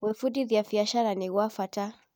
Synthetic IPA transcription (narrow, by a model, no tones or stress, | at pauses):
wɛfuɗiðijaviaʃaɾaniwafata